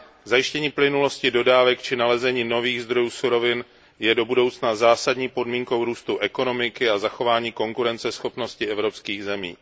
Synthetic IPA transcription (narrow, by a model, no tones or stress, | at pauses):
zajɪʃcɛɲiːplɪnulo̞scɪdo̞daːvɛkt͡ʃɪnalɛzɛɲiːno̞viːɣzd̪ɾo̞juːsuɾo̞vɪn | jɛdo̞budo̞wt͡snazaːsadɲiːpo̞dmiːŋko̞wɾuːst̪uʔɛko̞no̞mɪkɪazaxo̞vaːɲiːko̞ŋkuɾɛnt͡sɛsxo̞pno̞scɪɛvɾo̞pskiːɣzɛmḭː